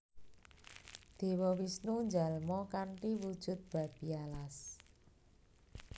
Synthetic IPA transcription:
d̪̥e̤wɔwisnuɲd͡ʒalmɔkaɳʈiwud̥ʒ̥ʊ̤t̪̚b̥a̤b̥ialas

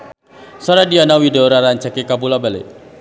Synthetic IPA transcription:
sɔɾadianawidɔɾaɾaɲt͡ʃakekabulabalḛ

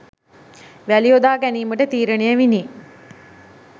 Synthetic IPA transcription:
ʋæliod̪aːɡæniːməʈət̪iːɾənejəʋini

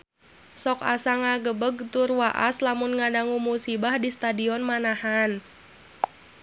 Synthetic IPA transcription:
sɔkasaŋaɡəbəɡ̚t̪ʊrwaʔa̰slamʊnŋadaŋumusibahdist̪adiɔnmanahan

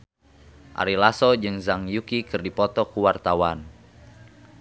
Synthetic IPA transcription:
ʔa̰ɾilasɔd͡ʒɨŋzaŋjukikɨrdipɔt̪ɔkuwart̪awan

